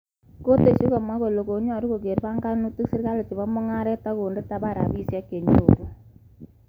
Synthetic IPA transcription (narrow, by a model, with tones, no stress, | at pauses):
ko˦te˨ʃi˦ko˨ma˦ko˨lo˨ko˨˦ɲ˦ɔ˨ɾu˦ko˨ke˨ɾpa˦ŋɡa˦nu˦tu˦ksi˦ɾka˦le˨t͡ʃi˨bɔ˦mʊ˦ŋa˦ɾɛ˦ta˦ko˨nde˦ta˨˦ba˦˨ɾa̰˨bi˦sja˦kːe˨ɲo̰˨ɾu˦